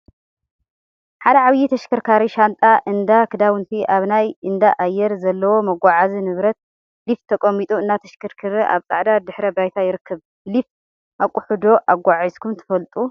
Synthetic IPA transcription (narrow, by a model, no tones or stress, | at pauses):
ħad̪ɐʕaβjit̪ʰɐʃkʰɨɾkʰaɾiʃant̪ʼaʔɨnd̪akʰɨd̪awɨnt̪ʰiʔaβnajɨnd̪aʔajːɛɾzɐlːɐwo̞mɐɡʷaʕazinɨβɾɐt̪̚ | lift̪ʰːɐkʼɐmit̪ʼuɨnːat̪ʰɐʃkʰɨɾkʰɨɾiʔa̰βt͡sʼaʕd̪ad̪ɨħɾɐbajt̪ʰajɪɾɨkːɐβ | blif | ʔakʼʊħud̪o̞ʔaɡʷaʕizkʰumt̪ʰɐ̥fɐlt̪ʼu